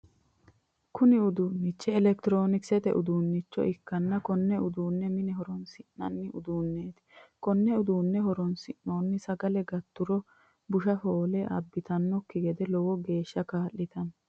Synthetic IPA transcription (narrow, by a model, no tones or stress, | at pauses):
kʰʊnɪʊd̪uːnːɪt͡ʃːɛːlɛkt̪ɪɾo̞ːnɪksɛt̪ɛ̰ʔʊd̪uːnːɪt͡ʃːɔ̰ʔɪkːɐnːɐkɔnːɛʊd̪uːnːɛmɪnɛɦɔɾɔnsɪnːɐ̰nːɪʊd̪uːnːeːt̪ɪ̥kɔnːɛʊd̪uːnːɛɦɔɾɔnsɪʔno̞ːnːɪsɐɡɐlɛɡɐt̪ːʊɾɔ | bʊʃɐfoːlɛʔɐ̰bːɪt̪ɐnːɔkːɪɡɛd̪ɛlɔwɔɡe̞ːʃːɐkaːʔːɪt̪ɐn